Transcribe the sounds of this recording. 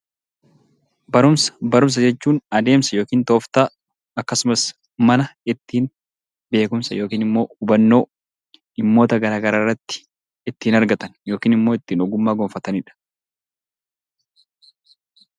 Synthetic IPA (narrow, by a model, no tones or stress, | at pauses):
bɐɾʊmsɐ̥bɐɾʊms̬ɐd͡ʒɛt͡ʃːuːnɐd̪e̞ːmsɐjoːkiːnt̪oːft̪aː | ɐkːɐsʊmɐs | mɐnɐɪt̪ːiːn | be̞ːkʊmsɐjo̞ːkiːnɪmːo̞ːʊbɐnːo̞ː | ɪmːo̞ːt̪ɐɡɐɾaːɡɐɾaːrːɐt̪ːɪ̥ | ɪt̪ːiːnɐɾɡɐt̪ɐnjo̞ːkiːnɪmːo̞ːɪt̪ːiːnɔɡʊmːaːɡɔmfɐt̪ɐnɪᶑɐ̥